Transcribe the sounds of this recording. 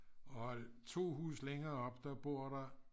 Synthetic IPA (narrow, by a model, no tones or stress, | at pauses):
ɒt͡sʰo̝̰ːɦṵːsleŋɐːɒ̽b̥d̥ɑb̥o̝ɐ̰ɾ̥ɑ